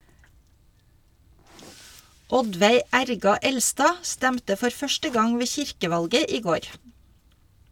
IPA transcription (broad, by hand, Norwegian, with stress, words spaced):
ˈɔdʋæɪ ˈæɾɡɑ ˈɛlstɑː ˈstæmtə ˈfɔɾ ˈfœʃtə ˈɡɑŋ ˈʋeː ˈçɪɾkəˌʋɑlɡə ˈiː ˈɡoːɾ